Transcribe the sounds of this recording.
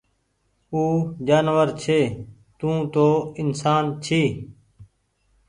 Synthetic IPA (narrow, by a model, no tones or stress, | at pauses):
uːd͡ʒaːnʋəɾt͡ʃʰeː | t̪ũːt̪oːɪnsaːnt͡ʃʰiː